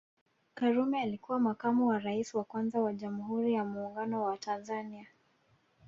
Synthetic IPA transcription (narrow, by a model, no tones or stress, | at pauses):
kaɾumɛalikuwamakamuwaɾaisiwakwanzawaʄamuhuɾijamuːŋɡanɔwatʰanzania